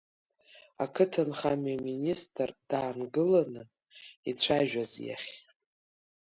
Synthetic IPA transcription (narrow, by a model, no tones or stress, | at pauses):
akʰɨtʰɨnχamaministʰʼrd̥aːnɡɨlanɨ | it͡ɕʷʰaʒᶣazja̰χʲ